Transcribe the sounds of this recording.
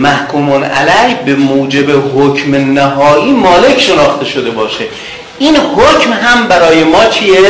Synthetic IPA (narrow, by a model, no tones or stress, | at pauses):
mæhkʰuːmonʔæ̰læhbemoːd͡ʒe̞beɦocʰmenæɦɒːʔiːmɒːle̞cʰʃe̞nɒːxt̪ʰe̞ʃo̞d̪e̞bɒːʃe | ʔiːnhocmɦæmbæɾɒːje̞mɒːt͡ʃʰie